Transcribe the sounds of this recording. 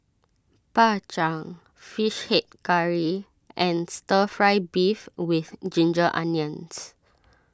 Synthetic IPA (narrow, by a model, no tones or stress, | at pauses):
pat͡ʃãŋ | fiʃhɛt̚kaɹi | ʔɛ̃nstəfɹaɪbifwiθd͡ʒĩnd͡ʒəʔã̰njə̃ns